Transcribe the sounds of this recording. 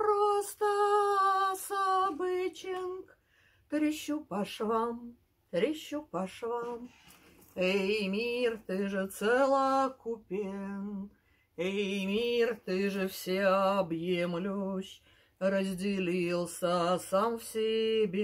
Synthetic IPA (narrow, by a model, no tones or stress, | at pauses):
pɾost̪ə | sabɨt͡ɕɪnk | k̪ɾʲɪɕːupɐʂvam | t̪ɾʲɪɕːupɐʂvam | ejmʲirt̪ɨʐɨt̪sɛlˠəkʊpʲen | ejmʲirt̪ɨʐɨfsʲeɐbjemlʲuɕʲ | rəzʲdʲɪlʲilˠsəsamfsʲɪbʲe